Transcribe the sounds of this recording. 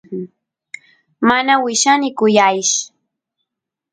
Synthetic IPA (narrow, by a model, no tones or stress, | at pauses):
manawɪʃanɪkʊjajʃ